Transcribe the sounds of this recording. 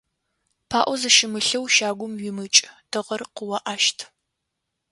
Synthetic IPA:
pʰaːʔʷɔzɨʃɪmɨɬɐwʃaːɡʷʊmɥɪmɨt͡ʃʼd̥ɨʁɐrqəwɐʔaːʃtʰ

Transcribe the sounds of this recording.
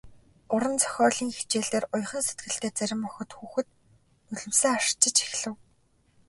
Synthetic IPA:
ʊɾə̆nt͡sœ̥xʲɔːɮiːŋxit͡ɕeːɮeːrʊj̆χə̆nset̪ɡɘ̆ɬt̪eːt͡sæɾʲɪ̆mːɔxɞ̆t̪xuːxɘ̆t̪ | nɵɮɵ̆msɘ̆ːŋaʃt͡ɕɪ̆t͡ɕe̥xɮɘ̆w

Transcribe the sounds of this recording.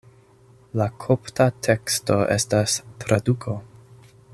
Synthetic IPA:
lakʰoptʰatʰe̞ksto̞ʔḛstastɾadukʰo̞

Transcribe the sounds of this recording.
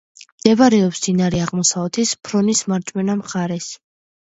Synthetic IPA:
md̪̥ɛvaɾɛɔpsd̪inaɾɛaʁmɔsavɛt̪ʰispʰɾɔnismaɾt͡ʃʼmɛnamχaɾɛs

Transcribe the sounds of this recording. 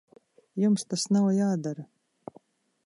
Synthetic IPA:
jumst̪asnawjaːd̪aɾɐ

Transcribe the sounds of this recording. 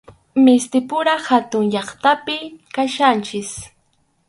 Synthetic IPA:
mɪst̪ɪpʊɾahat̪ʊŋʎɑχt̪apɪkaʃant͡ʃɪs

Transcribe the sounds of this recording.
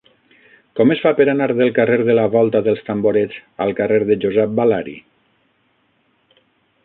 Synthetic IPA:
kɔmesfapəɾanaɾðelˠkareɾðəlaβɔlˠt̪aðəlˠst̪amboɾed͡za̰lˠkareɾðəd͡ʒozɛp̚balaɾḭ

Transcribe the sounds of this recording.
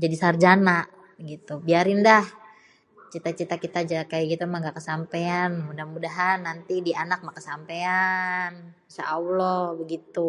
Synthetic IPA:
d͡ʒadisard͡ʒanaʔ | əɡit̪ubiaɾɪndah | t͡ʃit̪at͡ʃit̪akit̪ad͡ʒakajaɡit̪amaŋɡakəsampeanmudahmudaɦanːant̪idianak̚makəsampean | sa̰ʔawlɔbəɡit̪u

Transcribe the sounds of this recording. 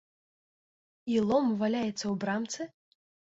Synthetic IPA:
ilˠɔmvalʲajɛt̪sːɐwbɾamt̪sɨ

